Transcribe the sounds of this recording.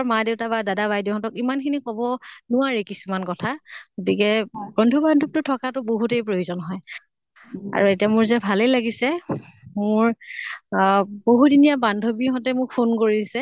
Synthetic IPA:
ɔɹmadeʊtabadadaβajdeɦɔ̃tɔkimankʰinikɔbɔnʊaɹikisumankɔtʰaɡotikɛbɔndʱubandʱɔb̚tʊtʰɔkatʊboɦutejpɹojuzɔnɦɔj | a̰ɹuetijamʊɹzɛbʱalelaɡisɛmʊɹ | boɦudinijabandʱobiɦɔtɛmʊkpʰunkoɹisɛ

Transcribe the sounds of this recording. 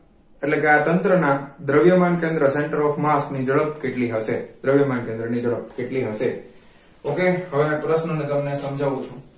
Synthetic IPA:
eʈlekeat̪ənt̪ɾənad̪ɾəʋjəmankẽnd̪ɾəseɳʈəɾɔfmasknid͡ʒəɭəpkeʈliɦəʃed̪ɾəʋjəmankẽnd̪ɾənid͡ʒəɭəp̚keʈliɦəʃe | okehəʋepɾəʃnənet̪əmnesəmd͡ʒʱaʋũt͡ʃʰũ

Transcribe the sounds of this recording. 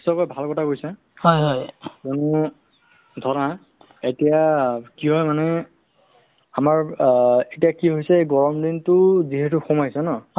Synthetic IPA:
isɔkɔjbʱalkɔtʰakojsɛ | hɔjɦɔjzɔnʊ | dʱɔna | etijakiɦɔjmanɛ | amaɹetiakiɦojsɛɡɔɹɔmdintʊziɦɛtʊxɔmajsɛnɔ

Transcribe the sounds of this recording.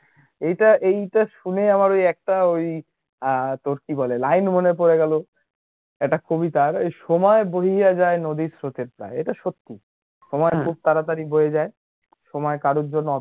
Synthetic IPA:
ejʈaʔejʈaʃuneamaɾojɛk̚ʈaoj | t̪oɾkibɔlelajnmonepoɾeɡɛlo | ɛk̚ʈakobit̪aɾjʃɔmɔeboɦijad͡ʑaenod̪isɾot̪eɾpɾa̰eḛʈaʃot̪ːi | ʃɔmɔekʰub̚t̪aɾat̪aɾiboɦed͡ʑae | ʃɔmɔekaɾoɾd͡ʑonːɔ

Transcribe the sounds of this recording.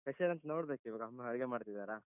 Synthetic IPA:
kɐseɾɐnt̪ɐnoːɽbeːkuiʋaːɡɐmːɐɐɾiɡemaːɽt̪id̪aːɾaː

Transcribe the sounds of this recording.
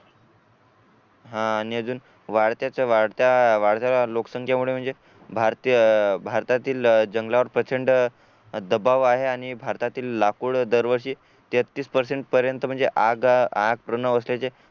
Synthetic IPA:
ɦãːniəd͡zuːn | ʋaɽt̪jat͡ɕaʋaɽt̪jaʋaɽɭt̪jalaloksəŋkʰjamuɭem̤əɳd͡ze | bʱaɾt̪ibʱaɾt̪at̪iːld͡ʑəŋɡlaʋəɾpɾət͡ɕeɳɖ | d̪əbaʋaɦeaɽ̃ibʱaɾt̪at̪iːlːakuːɽd̪əɾʋəɾɕiː | t̪et̪ːiːspəɾseɳʈpəɾjənt̪əm̤əɳd͡zeʔaɡaɡ̚pɾənəʋəslet͡se

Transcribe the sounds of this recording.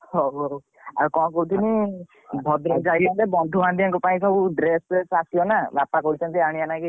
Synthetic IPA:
hoɦo | a̰ɾkɔ̃kɔɦut̪ʰini | bʱɔd̪ɾɔd͡ʒaɽiand̪ebɔnd̪ʱuãnd̪ijaŋkɔpaĩsɔbʱuɖɾesesasjɔnabapakɔɦut͡ʃʰɔnt̪iaɽ̃ianaki

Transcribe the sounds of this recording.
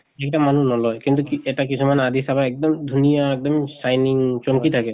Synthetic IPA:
ɛk̚tamanunɔlɔjkint̪ukiɛtakisumanad̪ʱisabaɛk̚dɔmd̪ʱunijaɛk̚dɔmsajniŋt͡ʃɔmkit̪ʰakɛ

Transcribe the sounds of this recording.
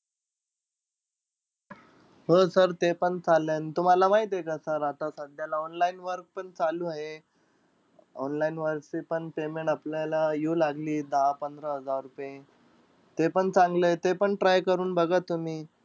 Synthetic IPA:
ɦəsəɾt̪epəɳt͡salənt̪um̤alamaid̪ekasəɾat̪asəd̪ʱjalaɔnlainʋəɾk̚pəɳt͡salũaɦe | ɔ̰nlainʋəɾksipəɳpemeɳʈaplalajolaɡliːd̪əɦapənd̪ʱɾəɦəd͡zaɾːupẽ | t̪epəɳt͡sãŋɡlət̪epəɳʈɾajkəɾuːnbəɡat̪um̤iː

